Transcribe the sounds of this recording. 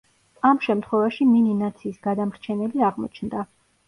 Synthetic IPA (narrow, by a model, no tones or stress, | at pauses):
amʃɛmt̪ʰχwɛvaʃimininat̪sʰiːsɡad̪amɾt͡ʃʰɛnɛliaʁmɔ̰t͡ʃʰnd̪a